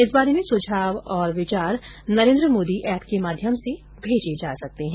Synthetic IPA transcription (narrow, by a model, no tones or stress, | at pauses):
ɪs̬baːɾemẽsod͡ʒʱaːʋɔːɾʋɪt͡ʃaːɾnɐɾẽːnd̪ɾəmoːd̪iʔɛːpkemaːd̪ʱjəmse | bʱeːd͡ʒed͡ʒaːsɐk̚t̪eɦɛ̃